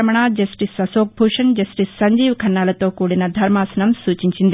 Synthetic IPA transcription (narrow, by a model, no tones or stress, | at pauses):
ɐmɐɳ̃aːd͡ʒɐsʈisɐsoːk̚bʱuːʂɐnd͡ʒɐsʈisːɐɲd͡ʒiːʋkʰɐnːaːlɐt̪oːkuːɽinɐd̪ʱɐɾmaːsɐnɐmsuːt͡ʃiɲt͡ʃind̪i